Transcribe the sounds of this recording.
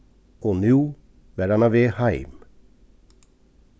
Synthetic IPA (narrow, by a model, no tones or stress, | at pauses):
oːnʉː | ʋæːɾɑnɑʋeːhæɪm